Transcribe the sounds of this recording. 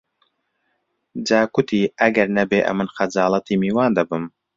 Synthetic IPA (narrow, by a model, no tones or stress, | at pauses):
d͡ʒaːkʊt̪ʰiːʔɐɡɐɾnɐbeːʔɐ̰mɨnxɐd͡ʒɑːlˠɐt̪iːmiːwɑːnd̪ɐbɨm